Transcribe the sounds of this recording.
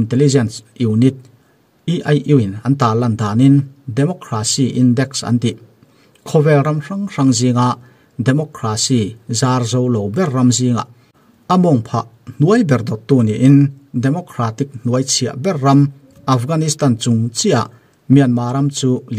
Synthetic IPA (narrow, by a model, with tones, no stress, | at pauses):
int̪ɛ˧lizɛnsu˨wnit̪̚ | i˦ʔɐjʔu˨winɐ˧nt̪aː˨lɐ˧nd̪aː˨nindɛmɔ˧kɾa˧siʔindɛ˧ksɐ̰˧nt̪i˨ | kʰɔ˧vɛ˧lrɐmra˧ŋra˧ŋzi˧ŋa˨ʔ | dɛmɔ˧kɾa˧si˧zaː˧rzo˧wlo˨wbɛrːɐ˧mzi˧ŋa̰˨ʔ | ɐmɔ˨ŋpʰa̰˧ʔ | n̥u˦ɐjbɛ˨rd̪ɔ˨t̪ːu˧˨ni˨ʔːndɛ˨mɔ˧kʰɾa˧t̪ik̚n̥uɐjt͡sʰi˨ɐ̰ʔbɛ˦rːɐ˧m | ʔa˧fɡa˧nist̪a˨nt͡su˨ŋt͡sia̰˨ʔ | mi˩ɐnmaː˧ɾɐ˧mt͡suː˦l